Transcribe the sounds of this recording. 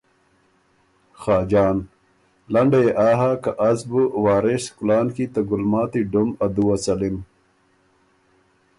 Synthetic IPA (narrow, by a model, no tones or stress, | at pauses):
xaːd͡ʑaːn | lɐɳɖejeʔaːɦakaʔɐzbuwaːɾeskulaːnkit̪ɐɡulmaːt̪iɖumɐd̪uwɐsɐlim